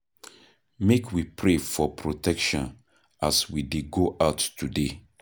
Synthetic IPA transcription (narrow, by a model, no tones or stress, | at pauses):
mekʰwipʰɹefɔpʰɹotɛkʃɔ̰̃n | aswideɡoʔaʊtːude